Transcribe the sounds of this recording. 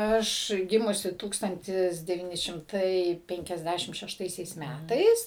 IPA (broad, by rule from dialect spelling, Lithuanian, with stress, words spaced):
ˈɐʃ ˈɡʲɪmʊsʲɪ ˈtuːkstɐnʲtʲɪs dʲɛʋʲiːˈnʲɪ ʃʲɪmˈtɐɪ ˌpʲɛŋʲkʲɛzʲˈdʲæʃʲɪm ʃʲɛʃˈtɐɪsʲɛɪs ˈmʲætɐɪs